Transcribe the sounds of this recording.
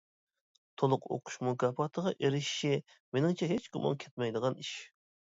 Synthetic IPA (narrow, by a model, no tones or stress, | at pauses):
t̪ʰolˠʊqo̰qʰu̥ʃmukʰɑːpɑt̪ʰəʁɑʔeɾɪʃʃɪ | menɪŋt͡ʃʰɛɦet͡ʃɡumɑ̰ŋkʲʰɛt̪̚mɛjd̪əʁɑniʃ